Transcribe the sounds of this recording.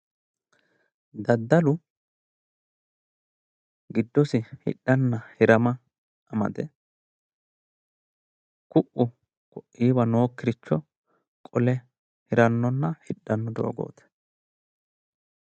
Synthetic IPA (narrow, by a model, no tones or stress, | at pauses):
d̪ɐd̪ːɐlʊ | ɡɪd̪ːɔsɪhɪ̰ɗːɐnːɐhɪɾɐmɐ | ɐmɐ̰d̪ɛ | kʊʔʊ | kɔʔʔiːβɐno̞ːkːɪɾɪt͡ʃːɔ | kʼɔlɛ | hɪɾɐnːɔnːɐhɪɗːɐnːɔd̪o̰ːɡo̞̰ːt̪ɛ̥